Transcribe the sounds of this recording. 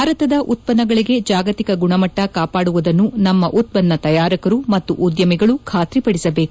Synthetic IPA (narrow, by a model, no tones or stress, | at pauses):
aːɾɐt̪ɐd̪ɐʔut̪̚pɐnːɐɡɐɭiɡe̞d͡ʒaːɡɐt̪ikɐɡuɳɐmɐʈːɐkaːpaːɽuʋud̪ɐnːunɐmːɐʔut̪̚pɐnːɐt̪ɐjaːɾikɐɾumɐt̪ːṵʔud̪jɐmiɡɐɭukʰaːt̪ɾipɐɽisɐbe̞ːk